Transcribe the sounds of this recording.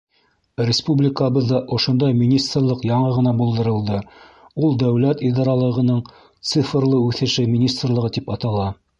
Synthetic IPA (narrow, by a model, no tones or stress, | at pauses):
rʲɪspublʲɪkəβɤðːɑʔŏʃŏnd̪ɑjminʲist̪rlˠɤqjɑɴɤʁɤ̆nɑbulˠd̪ɤ̆ɾɤ̆lˠd̪ɤ | ulˠd̪æwlæt̪id̪ɑɾɑlˠɤ̆ʁɤ̆nɤɴ | t̪sɨfrlˠɤʉθɘ̆ʃɘminʲist̪rlˠɤ̆ʁɤt̪ipɑt̪ɑlˠɑ